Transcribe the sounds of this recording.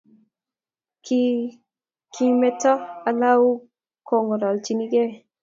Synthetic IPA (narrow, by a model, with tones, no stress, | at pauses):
k | kʰi˦mɛ˦tɔ˦a˨la˦wu˦ | ko˨ŋɔ˨ɾɔ˨lt͡ʃi˨ni˦ɡe˦